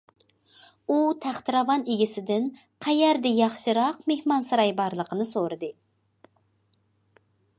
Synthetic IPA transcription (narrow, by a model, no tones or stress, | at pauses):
ut̪ʰæχt̪ɨɾɑvɑneɡʲɪsɪd̪ɪn | qʰæjæɾd̪ɛjɑχʃɨɾɑqmehmɑnsɑɾɑjbɑɾlˠəqʰənɨsoɾɨd̪ɨ